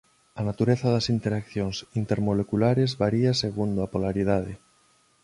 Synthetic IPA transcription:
ɐnat̪uɾeθɐðɐsint̪eɾakθjoŋsint̪eɾmolekulaɾezβaɾiɐseɣund̪ʊapolaɾið̞aðɪ

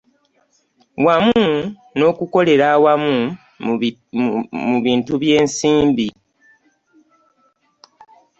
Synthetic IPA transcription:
wamu | no̞ːkuko̞le̞ɾawamu | muβiːntuβje̞ːnsiːmbi

